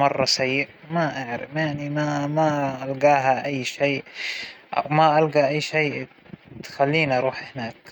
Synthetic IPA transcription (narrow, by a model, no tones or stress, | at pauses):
mɑrˤːɑsajːɪʔ | maʔaʕɾɪ̰fjaʕnimamaʔalɡaːɦaʔajːʃeː | ʔa̰wmaʔalɡaʔajːʃejː | t̪xalːiːnʔɑɾˤuːħhɪnaːk